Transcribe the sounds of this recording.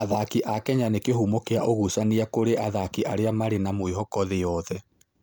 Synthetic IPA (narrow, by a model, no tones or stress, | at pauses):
aðakiʔakɛɲanekeɦumokeaʔoɣusaniakoɾeʔaðakiʔaɾeamaɾenamoiɦɔkɔðejɔðɛ